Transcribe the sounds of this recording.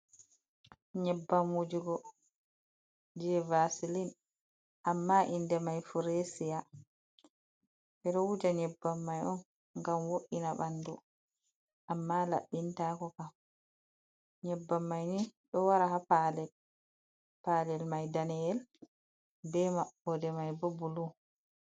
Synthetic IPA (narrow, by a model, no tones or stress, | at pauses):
ɲɛbːamwud͡ʒuɡɔ | d͡ʒɛvasilin | ʔamːaʔindɛmajfuɾesija | ʔɛɗɔwud͡ʒaɲɛbːamːajɔn | ŋɡamwoʔinaɓandu | ʔamːala̰ɓːintaːkɔkam | ɲɛbːamːajniɗɔwaɾahapalɛl | palɛlmajdanɛjɛl | bɛmaɓːɔdɛmajbobulu